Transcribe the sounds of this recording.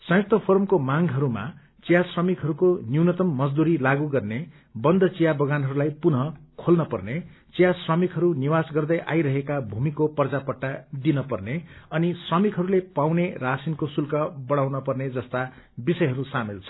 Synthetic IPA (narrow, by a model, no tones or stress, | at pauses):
sʌ̃jk̚t̪ʰʌpʰormkomaŋɡɦʌɾuma̰ | t͡sijasrʌmikɦʌɾukonjiwnʌt̪ʌmːʌd͡zd̪uɾilaɡuɡʌrne | bʌnd̪ʱʌt͡sijabʌɡanɦʌɾulajpunɦʌkʰolnʌpʌrnet͡sijasrʌmikɦʌɾuniwasɡʌrd̪ʌjʔa̰jɾʌɦekabʱumikopʌrd͡zapʌʈːad̪inʌpʌrneʌnisrʌmikɦʌɾulepawnerasinkosulkʌbʌɽawnʌpʌrned͡zʌst̪a | bisʌjɦʌɾusamilt͡sʰʌ̥